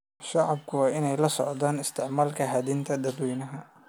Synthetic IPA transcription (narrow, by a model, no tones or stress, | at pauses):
ʃɑʕɑbkʰʊwɑːɪnɛjlɐsɔ̰ʕd̪aːnɪst̪ʰɪʕmaːlkʰɐɦɐd̪int̪ʰɐd̪ɐd̪wɛjnɐɦɐ